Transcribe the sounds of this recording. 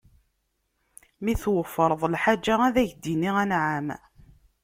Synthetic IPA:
miθwəfːəɾˤðˤlħad͡ʒːaæðæʝd̪iniʁænʕam

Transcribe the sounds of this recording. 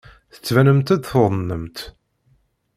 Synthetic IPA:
θə̥t͡sːvænəmt̪æd̪θoðˤnːəmt̪

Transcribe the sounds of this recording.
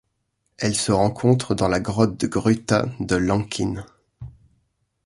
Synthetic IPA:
ɛlsəʁɑ̃kʰɔ̃t̪χəd̪ɑ̃laɡʁɔt̪̚d̪əɡʁyt̪ad̪əlɑ̃kʲʰin

